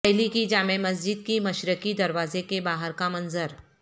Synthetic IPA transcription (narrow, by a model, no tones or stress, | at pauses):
ɦlikid͡ʒaːmemɐs̬d͡ʒɪd̪̚kimɐʃɾəkid̪ɐɾʋaːzekebaːɦəɾkamɐnzəɾ